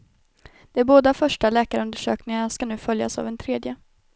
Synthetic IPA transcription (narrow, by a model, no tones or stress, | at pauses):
d̪̥ɛæɾboːd̪afœʂʈalɛːkaɾɵnd̪əʂø̰ːknɪŋaʂkanʉ̟ːfœlja̰sa̰vɛnt̪ʰɾeːd̪jə